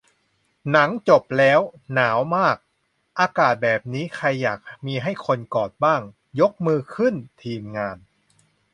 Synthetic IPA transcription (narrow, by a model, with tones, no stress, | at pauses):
na˩˦ŋt͡ɕo˨˩p̚lɛː˦˥wnaː˩˦wmaː˥˩k̚ | ʔaː˧kaː˨˩t̪̚bɛː˨˩p̚niː˦˥kʰa˧jːaː˨˩k̚miː˧ɦa˥˩jkʰo˧nkɔː˨˩t̪̚baː˥˩ŋ | jo˦˥k̚mɯː˧kʰɯ˥˩nt̪ʰiː˧mŋaː˧n